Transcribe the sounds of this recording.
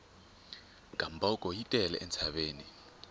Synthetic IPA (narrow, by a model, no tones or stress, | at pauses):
ɡ̥ʱambʱakʼɔjitʼɛlɛ̰ʔɛnt͡sʰaɓeːni